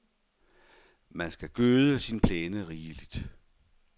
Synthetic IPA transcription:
mænsɡ̥æɡ̥øːðˠəsinpʰleːnəʁiːlid̥

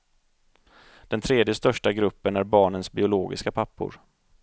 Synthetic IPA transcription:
d̪̥ɛnt̪ʰɾeːd̪jəst̪œʂʈaɡɾɵpːənæɾbɑːɳənsbɪʊloːɡɪ̰skapʰapːʊ̰ɾ

